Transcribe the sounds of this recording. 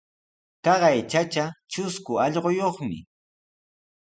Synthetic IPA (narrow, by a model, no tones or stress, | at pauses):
t̪ɑɢɑjt͡ʃat͡ʃat͡ʃʊskʊɑʎɢojoχmɪ̰